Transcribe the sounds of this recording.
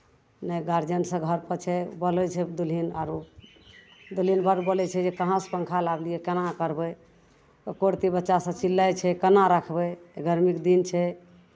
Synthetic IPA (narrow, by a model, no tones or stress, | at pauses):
nəɡaɾd͡ʒənsə̃ɡʱəɾpət͡ʃʰɛbəlɛt͡ʃʰɛd̪ulinaɾu | d̪ulinbəɾbolɛt͡ʃʰɛd͡ʒekəɦãspəŋkʰalaɡlijɛkənakəɾbə | t̪ɔkoɽt̪ibətːʃasə̃t͡ʃilːajt͡ʃʰɛkənaɾakʰbɛɡʱəɾmikd̪int͡ʃʰɛ